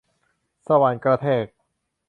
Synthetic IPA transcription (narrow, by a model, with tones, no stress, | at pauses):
sa˧wa˨˧nkɾa˧t̪ʰeː˥˩k̚